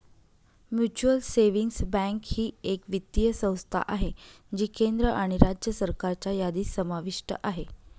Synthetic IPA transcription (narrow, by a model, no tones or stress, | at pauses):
mjut͡ɕuəlseʋiŋɡsbɛ̃ŋkhiːekʋit̪ːijəsə̃w̃st̪ʰa̰ʔaɦe | d͡ʑiːkend̪ɾəʔaɽ̃iɾad͡ʑjəsəɾkaɾt͡ɕajad̪iːsːəmaʋiʂʈə̰ʔaɦe